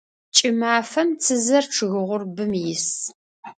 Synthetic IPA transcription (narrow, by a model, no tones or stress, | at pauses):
t͡ʃʼɪmaːfɐmt͡sʰɨzɐrʈ͡ʂʰɨɣɨʁʷʊrbɨmjɪs